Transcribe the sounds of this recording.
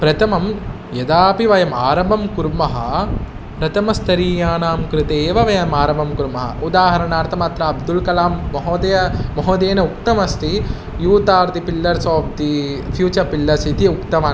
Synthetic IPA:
pɾɐt̪ʰɐmɐm | jɐd̪aːpiʋɐjɐmaːɾɐmbɐmkuɾmɐɦɐ | pɾɐt̪ʰɐmɐst̪ɐɾiːjaːnaːmkɾɪt̪eːʋɐʋɐjɐmaːɾɐmbʱɐmkuɾmɐɦɐ̰ʔud̪aːɦɐɾɐnaːɾt̪ɐmaːt̪ɾɐɐbd̪ulkɐlaːmːɐɦoːd̪ɐjɐmɐɦoːd̪eːnɐuk̚t̪ɐmɐst̪ʰi | juːt̪aːɾd̪ipilːɐɾsoːfd̪ifʰjuːt͡ʃɐɾpilːɐsit̪iukt̪ɐmaː

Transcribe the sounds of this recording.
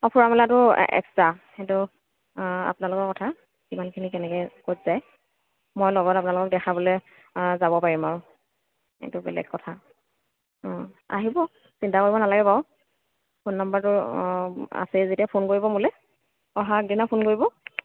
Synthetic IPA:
ɔpʰuɹamɛlatʊɛ̰kstaxɛtʊ | a̰pnalʊkɔɹkɔtʰa | kimankʰinikɛnɛkɛkotz̥aj | mojlɔɡɔtap̬ʊnalʊkɔk̚dɛxʰabolɛ | zabɔpaɹimaɹʊ | xɛ̰tʊbɛ̰lɛ̰ɡkɔtʰa | ɔ̃ | a̰ɦibɔ | sintakoɹibɔnalaɡɛbaʊ | pʰʊnːambaɹtʊ | a̰sɛzetiapʰonkoɹibɔmulɛ | ɔɦak̚dinapʰonkoɹibɔ

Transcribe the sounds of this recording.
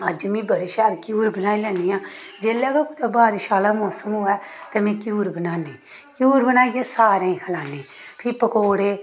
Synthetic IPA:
əd͡ʒmĩːbəɾiʃaːlkjuːɾbənaːiːlɛ̃ːniːãː | d͡ʒeːlaːkakʊt̪abaːɾɪʃaːlaːmɔːsəmɦʊːɛːt̪ɛmẽːkjuːɾbənaːnĩː | kjuːɾbənaːijãːsaːɾãːĩːkʰəlaːnẽːpʰɪɾpəkoːɽeː

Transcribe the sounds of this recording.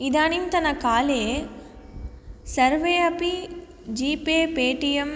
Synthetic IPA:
id̪aːnint̪ɐnɐkaːleː | sɐɾʋeːɐpi | d͡ʒiːpeːpeːʈijɐm

